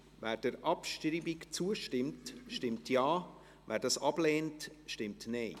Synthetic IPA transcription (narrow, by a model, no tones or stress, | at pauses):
væːɾd̥əɾʔɑpʃtɾiːbikt͡suəʃtɪmtʃtɪmtʰjɑː | væːɾdɑsɑb̥leːntʃtɪmtneɪ